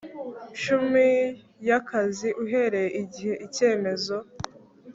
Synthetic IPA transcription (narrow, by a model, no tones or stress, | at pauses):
ʃumi | jakaziʔuɦe̞ɾe̞jeiɟiheʔice̞ːme̞zo̞